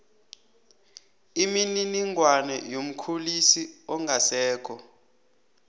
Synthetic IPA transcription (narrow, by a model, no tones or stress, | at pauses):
imininiŋwanɛjom̩kʰulisiɔŋɡʱasɛːk̬ʰʼɔ